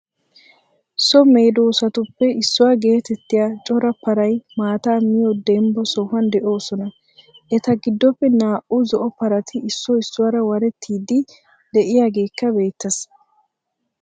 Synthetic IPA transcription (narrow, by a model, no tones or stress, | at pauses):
sɔmeːd̪oːsɐt̪ʊpːɛɪsːʊwaːɡe̞ːt̪ɛt̪ːɪjaːt͡ʃʼɔɾɐpɐɾɐjmaːt̪aːmɪjɔd̪ɛmbɔsɔhɐnd̪ɛʔo̞ːsɔnɐ | ʔɛt̪ɐɡɪd̪ːɔpːɛnaːʔuzɔʔɔpɐɾɐt̪ʰɪɪsːɔɪsːʊwaːɾɐwɐɾɛt̪ʰːiːd̪ɪ | d̪ɛʔɪjaːɡe̞ːkːɐbe̞ːt̪ːɐs